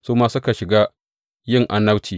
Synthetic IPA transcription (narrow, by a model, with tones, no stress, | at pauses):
suː˦maː˦sʊ˦ka˨ʃɪ˨ɡaː˦ | jɪ˦˨ŋʔa˦nːɐ˦wtiː˨